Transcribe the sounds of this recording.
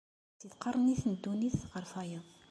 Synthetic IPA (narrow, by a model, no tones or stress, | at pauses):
θiθqɑrˤəniθnəd̪ːuniθʁəɾˤfæjəðˤ